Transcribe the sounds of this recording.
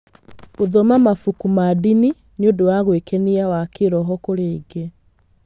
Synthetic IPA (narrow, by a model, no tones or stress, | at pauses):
oðɔmamafukumadini | neodowaɣwekɛniawakeɾɔɦɔkoɾeːɡe